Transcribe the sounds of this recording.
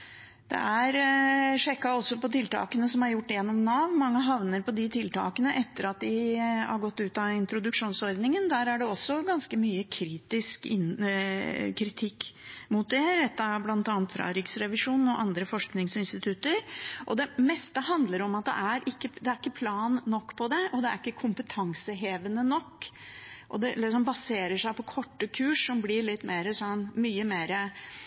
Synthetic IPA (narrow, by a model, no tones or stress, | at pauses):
d̪̥ɛ̰ʔæɾʂɛkːɑɔsːɔpɔt̪ʰɪlt̪ʰɑ̰ːkənəsɔmhɑɾjʊʈːjɛnːɔmnɑːʋmɑŋːəɦɑʋnəɾpʰɔd̪ɪt̪ʰɪlt̪ʰɑ̰ːkənəʔɛt̪ːəɾɑt̪̚d̪ɪhɑ̰ɾɡɔt̪ːʉːt̪ɑɪnt̪ɾʊd̪ʉkʂuːnsɔɾd̪nɪŋənd̪æɾæɖɛɔsːɔɡɑnskəmyːəkʰɾiːt̪ɪskɪn | kʰɾɪt̪ʰɪkːmʊt̪̚d̪ɛɾɛt̪ːɑblɑnt̪ɑːnət̪fɾɑ̰ɾɪksɾɛʋɪʂuːnn̩ɔʔɑnd̪ɾəfɔʂknɪŋsɪnst̪ɪt̪ʰʉt̪ːəɾʔɔd̪ɛmɛst̪əhɑnd̪ləɾɔmɑt̪̚d̪ɛ̰ʔæɾʔɪkːəd̪ɛæɾɪkːəpʰlɑːnːɔkːpʰɔd̪ɛɔd̪ɛæɾɪkːəkʰʊmpət̪ʰɑŋsəɦeːʋənənɔkː | ʔɔd̪ɛlːɪsɔmbɑseːɾəʂæɪpʰɔkʰɔʈːəkʰʉːʂːɔmblɪɭɪt̪ːmeːɾəsɔnmyːəmeːɾə